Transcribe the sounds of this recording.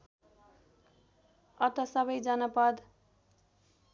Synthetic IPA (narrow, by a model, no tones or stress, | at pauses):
ʌt̪ʌsʌβʌjd͡zʌnʌpʌd̪